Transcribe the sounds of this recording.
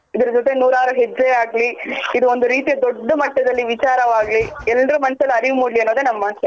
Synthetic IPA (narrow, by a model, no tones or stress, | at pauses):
id̪ɐɾɐd͡ʒot̪enuːɾaːɾɐɦed͡ʒeaːɡliid̪uond̪uɾiːt̪ijɐd̪oɖːɐmɐʈːɐd̪ɐlːiʋit͡ʃaːɾɐʋaːɡliɛlɾumɐnɐsɐlːɐɾiʋmuːɽliɐnːoːd̪enɐmːaːnsɐ